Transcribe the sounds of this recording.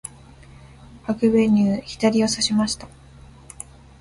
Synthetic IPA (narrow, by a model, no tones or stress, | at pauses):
hakɯ̟be̞ɲ̟ʲɨːçi̥t̪aɾʲio̞saɕimaɕi̥t̪ḁ